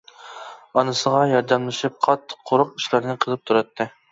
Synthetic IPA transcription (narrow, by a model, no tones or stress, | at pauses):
ɑnɨsəʁɑjɑɾd̪ɑmlˠɨʃɨp̚qʰɑt̪ʰːɨ̥qʰːoɾʊqiʃlˠɨɾnɨqʰəlˠɨp̚t̪ʰuɾɑt̪ʰːɨ